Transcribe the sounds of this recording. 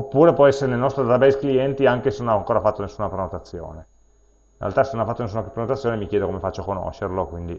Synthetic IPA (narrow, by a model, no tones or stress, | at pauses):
opːuːɾepwɔɛsːeɾenelnɔst̪ɾod̪aɾabɛskliɛnt̪iaŋkesenonaaŋkoːɾafat̪ːonesːuːnapɾenot̪at̪sːjo̰ːne | inrḛlt̪asenonafat̪ːones̬unapɾenot̪at̪sːjoːnemikjɛːd̪okomefat͡ʃːokono̰ʃːerlokwind̪i